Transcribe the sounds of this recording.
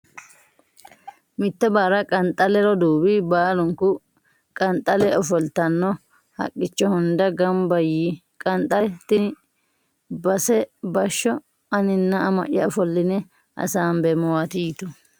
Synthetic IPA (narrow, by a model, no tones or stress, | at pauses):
mɪt̪ːɛbaːɾɐkʼɐnt̪ʼɐlɛɾɔd̪uːbibaːlʊŋkʊ | kʼɐnt̪ʼɐlɛɔfɔlt̪ɐnːɔ | hɐ̰kʼːɪt͡ʃːɔhʊnd̪ɐɡɐmbɐji | kʼɐnt̪ʼɐt̪ɪ | bɐsɛbɐʃːɔ | ɐnɪnːɐɐmɐ̰ʔɐɔfɔlːɪnɛ | ʔɐ̰saːmbɛmɔwat̪ijt̪ʊ